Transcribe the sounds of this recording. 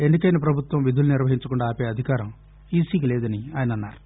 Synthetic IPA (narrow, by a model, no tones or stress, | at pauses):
e̞ɳɖikɐjnɐp̬ɾɐbʱut̪ʋɐ̃mʋid̪ʱuluniɾʋɐɦiɲt͡ʃɐkuɳɖaːpeːɐd̪ʱikaːɾɐm | iːsiːkilɛːd̪ɐniaːjɐnɐnːa̰ːɾu